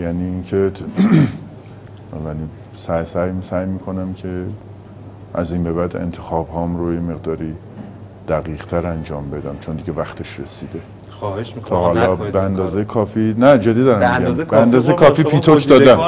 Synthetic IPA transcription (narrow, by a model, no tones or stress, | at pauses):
jæniːincʰe | væni | sæjsæjsæjmiːkʰo̞næmcʰe̞ | ʔæ̰zimbe̞βæd̪e̞̰nt̪ʰe̞xɒːbhɒːmɾojeme̞ɣd̪ɒːɾiː | d̪̥æɣiːʁt̪ʰæɾænd͡ʒɒːmbe̞d̪æmt͡ʃʰond̪iɟevæxt̪ʰe̞ʃɾḛsiːd̪e̞ | t̪ʰɒːhɒːlɒːbeænd̪ɒːzejekʰɒːfinæd͡ʒed̪iːd̪ɒɾæmeɡæmeænd̪ɒːzejkʰɒːfiːpiːt̪ʰokʰd̪ɒːd̪æm